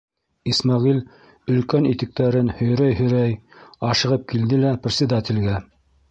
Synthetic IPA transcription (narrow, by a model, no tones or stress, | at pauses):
ismɑʁil | ɵ̆lkænit̪ɘ̆k̚t̪æɾɘnhɵ̆jɾæjhɵ̆jɾæjɑʃɤ̆ʁɤp̚kild̪ɘlæprʲɪt̪sʲɪd̪at̪ʲĭlɡæ